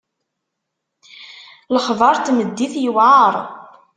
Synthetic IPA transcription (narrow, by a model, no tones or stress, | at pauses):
ləχðˤɑɾˤt̪məd̪ːiθjəwʕɑɾˤ